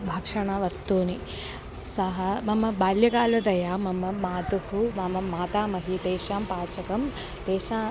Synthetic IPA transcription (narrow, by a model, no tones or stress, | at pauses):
bʱɐkʂɐɳɐʋɐst̪uːni | sɐɦɐmɐmːɐbaːljɐkaːlɐd̪ɐjaːmɐmɐmaːt̪uhumɐmɐːaːt̪aːmɐɦit̪eːʂaːmpaːt͡ʃɐkɐmt̪eːʃaː